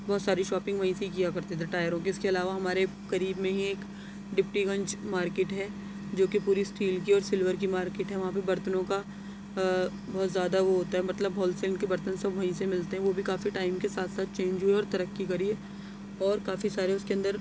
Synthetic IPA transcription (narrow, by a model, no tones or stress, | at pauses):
bɔːt̪saːɾiʃɔːpɪ̃ŋɡʋɐɦĩseɦikijakɐɾt̪ẽt̪ʰeʈaːɪjəɾõkiɪskeɐlaːʋaɦɐmaːɾe | kɐɾiːbmẽɦieːk | ɖɪp̚ʈiɡɐ̃ɲt͡ʃmaːɾkeːʈɦɛ | d͡ʒoːkipuːɾisʈʰiːlkiɔːɾsɪlʋəɾk̬imaːɾkeːʈɦɛ̃ʋɐɦãp̬ebɐɾt̪ənõka | bɔːt̪zjaːd̪aʋoɦoːt̪aɦɛmɐt̪ləbɦɔːlseːnɖkebɐɾt̪ənsɐbʋɐɦĩsemɪlt̪eɦɛ̃ʋobʱikaːfiʈaːɪmkesaːt̪ʰsaːt̪̚t͡ʃẽːɲd͡ʒɦueɔːɾt̪ɐɾəkːikɐɾie | ɔːɾkaːfisaːɾeʊskeɐ̃nd̪əɾ